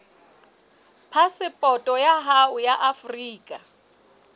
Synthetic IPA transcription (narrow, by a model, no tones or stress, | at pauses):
pʰasɪpʼɔtʼɔjaɦaʊjaʔafriːkʼa